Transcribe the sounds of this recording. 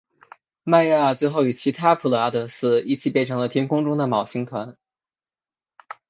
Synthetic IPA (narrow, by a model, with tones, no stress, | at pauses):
ma˥˧ja˥˩t͡swe˥˧ɪxo˥˩ʊy˨˩t͡ɕʰi˧˥t̪ʰa˥pʰu˧˩lə˧a˧˥t̪ɤ˧˥sɹ̩˥i˥˩t͡ɕʰi˨˩pjɛ˥˩nʈ͡ʂʰɤ˧˥ŋlə˧jɛ˥nkʰʊ˥ŋʈ͡ʂʊ˥ŋd̪ə˨mɑ˨˩ʊɕi˧˥ŋt̪ʰwa˧˥n